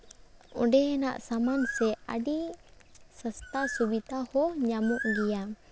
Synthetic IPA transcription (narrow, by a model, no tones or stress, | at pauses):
ɔ̰̃ɖɛɛnaʔsamansɛa̰ɖi | səst̪asubid̪ahɔɲamuʔɡija